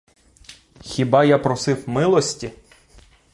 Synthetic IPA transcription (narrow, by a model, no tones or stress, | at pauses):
xʲibɑjapɾɔsɪwmɪlˠɔsʲtʲi